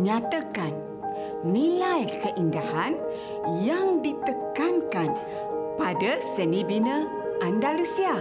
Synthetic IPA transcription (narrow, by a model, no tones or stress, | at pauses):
ɲat̪əkanː | ilajkəʔindahan | jaŋdit̪əkankan | padəsənibinə | ʔandalusia